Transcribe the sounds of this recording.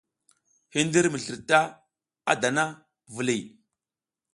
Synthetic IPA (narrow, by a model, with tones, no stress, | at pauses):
hi˦ndi˦ɾmə˨ɬi˨ɾta˦ | a̰˦da˨na˦ | və˨li˨